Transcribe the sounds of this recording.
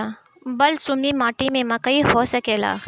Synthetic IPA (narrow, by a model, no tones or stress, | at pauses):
bɐlsʊmnimaːʈimẽmɐkəihoːsɐkeːla̰ː